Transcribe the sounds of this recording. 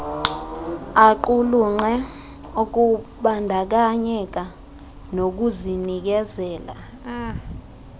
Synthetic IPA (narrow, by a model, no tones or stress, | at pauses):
aǃuluŋ͡ǃɛ | ok̬uɓandʱak̬aɲɛk̬a | nok̬uzinik̬ɛzɛːla̰